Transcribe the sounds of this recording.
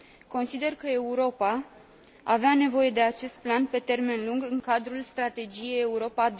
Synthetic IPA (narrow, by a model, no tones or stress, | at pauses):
ko̞nsid̪e̞rkəe̞uɾo̞pa | aveane̞vo̞je̞d̪e̞at͡ʃe̞st̪̚planpe̞t̪e̞rme̞nluŋɡɨŋkad̪ɾulst̪ɾat̪e̞d͡ʒije̞je̞uɾo̞pad̪